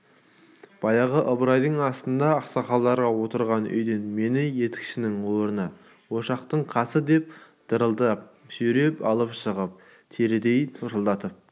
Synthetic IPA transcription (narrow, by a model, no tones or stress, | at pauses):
b̥ɑjɑʁəʔəbɾɑjd̪əɴɑst̪ənd̪ɑːqsɑχɑlˠːɑɾʁɑwo̞t̪əɾʁɑnʏ̰jd̪enme̞nɪje̞t̪ɪ̥kʲʃɪnɪŋwo̞ɾənə | wo̞ʃɑqt̪əɴqʰɑsəd̪e̞p̚ | d̪̥əɾəlˠd̪əʒ̥ʏɾe̞pɑ̰lˠəpʃəʁəp̚ | t̪ʰeɾɪd̪e̞jt̪ʰʊʒəlˠd̪ɑt̪əp̚